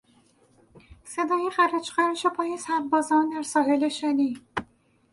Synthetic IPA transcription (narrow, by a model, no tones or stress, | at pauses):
se̞d̪ɒːjexæɾæd͡ʒxæɾʃepʰɒːjesæɾbɒːzɒːnd̪æɾsɒːɦeleʃæniː